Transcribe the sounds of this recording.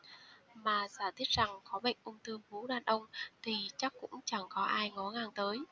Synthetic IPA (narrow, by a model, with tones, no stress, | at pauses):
maː˨˩zaː˧˩t̪ʰi˦˥t̚z̥a˨˩ŋkɔ˨˦ɓə̰˧˨jŋ̟ʔʊ˧wŋ͡mt̪ɨ˧əŋvu˨˦ɗaː˧˩nʔə˧wŋ͡mt̪ʰi˨˩t͡ɕa˦˥kːʊ̰˧˥ŋ͡mt͡ɕa˧˩ŋkɔ˨˦ʔaː˧jŋɔ˨˦ŋaː˧˩ŋt̪əː˨˦j